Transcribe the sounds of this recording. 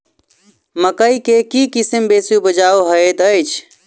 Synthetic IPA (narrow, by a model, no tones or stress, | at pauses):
məkəikekikisəmbesjubəd͡ʒauɦəet̪əjt͡ʃʰ